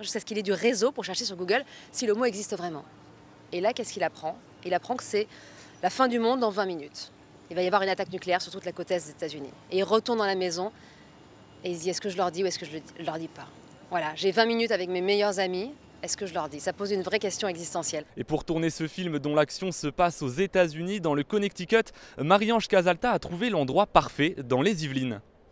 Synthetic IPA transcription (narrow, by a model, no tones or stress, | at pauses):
ʒyskasə̥kilɛd̪yʁezopuʁʃɛʁʃesyʁɡuɡœlsiləmoɛɡzist̪əvʁɛmɑ̃ | elakʲɛskilapχɑ̃ | ilapχɑ̃kə̥sɛ | lafɛ̃d̪ymɔ̃d̪ːɑ̃vɛ̃minyt̪ | ilvajavwaʁynat̪aknykleɛʁsyʁt̪ut̪lakot̪ɛs̬d̪ezet̪azynḭeilʁət̪uʁnd̪ɑ̃lamezɔ̃ | eild̪iɛskəʒəlœʁd̪iuɛskəʒələilœʁd̪ipa | vwalaʒevɛ̃minyt̪avɛkmemejœʁzami | ɛskəʒəlœʁd̪isapozynvʁɛkʲɛst̪jɔ̃ɛɡzist̪ɑ̃sjɛlepuʁt̪uʁnesəfilmd̪ɔ̃laksjɔ̃səpasozet̪azynid̪ɑ̃ləkɔnɛk̚t̪ikʲɔt̪maʁiɑ̃ʃkazalt̪aːt̪χuvelɑ̃d̪ʁwapaʁfɛd̪ɑ̃lezivlin